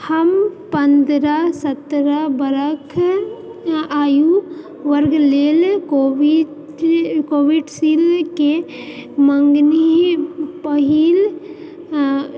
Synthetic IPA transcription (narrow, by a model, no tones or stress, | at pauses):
həmpənd̪ɾasət̪ɾabəɾəkʰ | aːju | ʋəɾɡleːlkoʋi | koːʋiɖsilke | məŋɡni | pəɦil